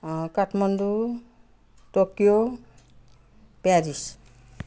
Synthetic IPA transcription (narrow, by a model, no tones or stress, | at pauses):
kaʈʰmʌnd̪u | tokijo | pjaɾis